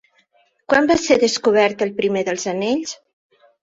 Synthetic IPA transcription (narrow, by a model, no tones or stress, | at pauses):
kwambaseðəskuβ̞ɛɾt̪əlˠpɾimeðəlˠzəneʎs